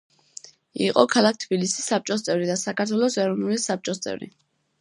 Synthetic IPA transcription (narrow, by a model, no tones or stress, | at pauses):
ḭqʼɔkʰalˠak̚ʰt̪ʰbilisi̥sːap̚t͡ʃʼɔs̬t̪sʼɛvɾid̪asakʰaɾt̪ʰwɛlˠɔsɛɾɔvnulisap̚t͡ʃʼɔst̪sʼɛ̰vɾḭ